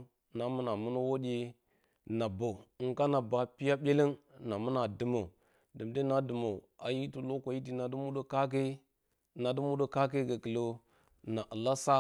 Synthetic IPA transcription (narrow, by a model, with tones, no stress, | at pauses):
na˨mu˦na˨mu˦no˦wo˦ɗe˦ | na˨bo˨ŋ˨ka˦na˨ba˨pi˦ja˦bʲe˦le˦nna˨mu˦na˨dɨ˨mo˨ | dɨ˨mde˦na˦dɨ˨mo˨a˨ji˦tu˨lo˦ko˨ji˦ti˦na˨du˦mu˦ɗo˦ka˦ke˦ | na˨du˦mu˦do˦ka˦k̬e˦ɡa˨kə˨lo˦ | na˨ʔə˨la˦sa˦